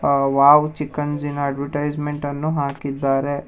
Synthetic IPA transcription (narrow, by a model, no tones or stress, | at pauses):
ʋaːʋt͡ʃikːɐnzinaːɖʋɐʈɐjd͡ʒmeɳʈɐnːuɦaːkid̪ːaːɾe